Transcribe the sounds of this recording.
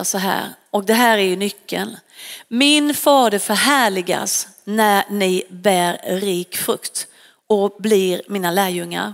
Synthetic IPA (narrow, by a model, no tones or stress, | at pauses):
sɔɦæ̰ːɾ | ɔk̚d̪ɛɦæːɾæɾjɵnʏkʰːə̰lmɪnfɑːd̪əɾfœɾɦæːɭɪɡa̰s | nænɪbæːɾɾiːkfɾɵkt̪ | ɔblɪɾmiːnalæːɾjɵŋːa̰ɾ